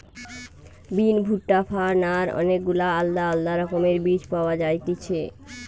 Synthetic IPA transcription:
binbʱuʈːafʰaɾnaɾɔ̰nek̚ɡulaalːaalːaɾɔkomeɾbid͡ʑpaoad͡ʑajt̪it͡ɕʰe

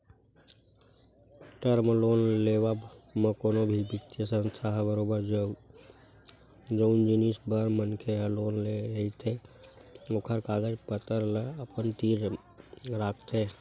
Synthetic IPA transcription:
ʈəɾmloːnleːʋabmə̃koːnobʱibɪkt̪jəsə̃nst̪ʰaɦbəɾoːbəɾd͡ʒəu | d͡ʒəʊnd͡ʒinisbəɾmənkʰeɦəloːnleɾəit̪ʰe | oːkʰəɾkaːɡəd͡ʒpət̪əɾləəpənt̪iːɾ | ɾaːkʰt̪ʰe

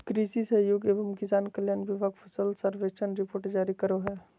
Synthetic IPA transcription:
kɾiːsisɐɦjoːɡeːʋəmkɪsaːnkəljaːnʋɪbʱaːɡpʰəsəlsəɾʋeːʃənɾɪpoːɾʈd͡ʒaːɾikəɾoɦɛː

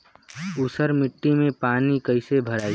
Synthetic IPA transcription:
ʊsəɾmɪʈːimẽpaːnikəɪsebʱəɾai

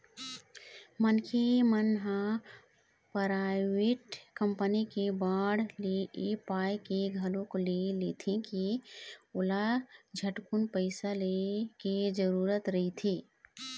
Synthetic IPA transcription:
mənkemənɦã | pəɾawiʈkəmpənikebaɽleepajkeɡʱəlõkolelet̪ʰẽki | olad͡ʒʱəʈkunpəɪsaleked͡ʒəɾuːɾət̪ɾəɦit̪ʰeː

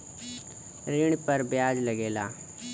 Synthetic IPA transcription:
ɾɪɳ̃pəɾbjaːd͡ʒləɡeːla̰ː

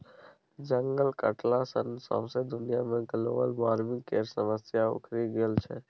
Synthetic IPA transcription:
d͡ʒəŋɡəlkə̰ʈlasənsɔ̰̃ːsed̪ʊnɪjamẽɡəloːʋəlʋaːɾʋɪ̃ŋɡkeːɾsəməsjaʊ̰kʰɾiɡelt͡ʃʰeː

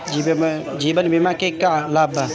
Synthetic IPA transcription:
d͡ʒib | d͡ʒiːbənbimakekalaːba

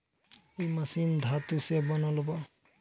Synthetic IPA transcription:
ejmasind̪ʱat̪usebɔnɔlɔbɔ

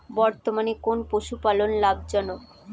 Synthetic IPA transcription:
bɔɾt̪omanekonpoʃupalonlab̚d͡ʑɔnok

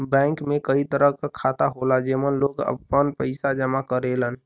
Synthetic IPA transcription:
bɛ̃ŋkmekəit̪əɾəɦkəkʰat̪aɦolad͡ʒemənloɡə̰pːənpəɪsad͡ʒəmakəɾelən

